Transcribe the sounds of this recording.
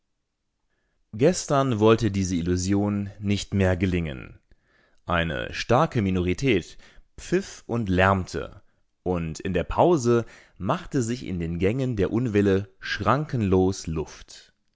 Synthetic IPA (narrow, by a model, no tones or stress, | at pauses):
ɡ̥ɛstɐnvɔltədiːzəɪluzjoːnːɪçtmeːɐɡəlɪŋə̰n | ʔaɪnə̰ʃtaɐkəminoʁ̞itʰɛːtpp͡fɪfʔʊntlɛɐmtʰə̰ | ʔʊntɪndeːɐpʰaʊzə | maχtəzɪçɪ̰ndeːnɡɛŋəndeːɐʔʊnvɪləʃʁ̥aŋkənloːslʊft